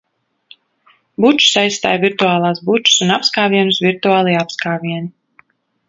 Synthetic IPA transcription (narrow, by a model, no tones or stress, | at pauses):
but͡ʃu̥sajst̪a̰ːjviɾt̪uaːlˠaːsbut͡ʃu̥sunapskaːvʲiɛnusvʲiɾt̪uaːlˠiapskaːvʲiɛni